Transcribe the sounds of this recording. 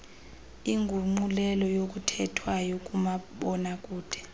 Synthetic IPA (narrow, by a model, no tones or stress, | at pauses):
iŋɡʱuŋ͡ǃulɛlɔjok̬ʼutʰɛtʰwajok̬ʼumaɓɔnak̬ʼuːd̥ʰʱɛ̥